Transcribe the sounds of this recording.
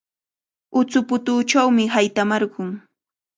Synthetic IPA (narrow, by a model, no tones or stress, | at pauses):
ʊt͡sʊpʊt̪ʊːt͡ʃawmɪɦajt̪amɑɾɢʊŋ